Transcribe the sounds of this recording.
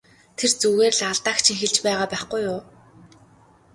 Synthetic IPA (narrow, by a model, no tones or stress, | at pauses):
t̪ʰert͡suɣeːrɮaɮt̪aːkt͡ɕʰĭŋxeɮt͡ɕpæːʁaːpæːχɡujʊː